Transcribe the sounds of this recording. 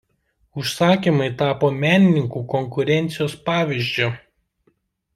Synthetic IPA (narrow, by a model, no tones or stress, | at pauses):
ʊʃsɑːkʲiːˑmɐɪt̪ɑːpoːmʲæːnʲɪnʲɪŋkuːkɔŋkʊɾʲɛnʲˑt̪sʲɪjoːspɑːʋʲiˑʒʲd͡ʒʲʊ